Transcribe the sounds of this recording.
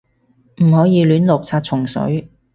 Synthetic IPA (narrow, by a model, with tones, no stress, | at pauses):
m̩˨˩hɔː˨˥jiː˨˧lyː˨˥nlʊ˨k̚t͡sʰaː˧t̚t͡sʰʊ˨˩ŋsɵ̰˨˥ɥ